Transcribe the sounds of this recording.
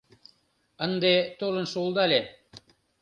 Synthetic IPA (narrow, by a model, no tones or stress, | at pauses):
ə̆nd̪et̪ulɤ̆nʃulˠd̪ɑlʲe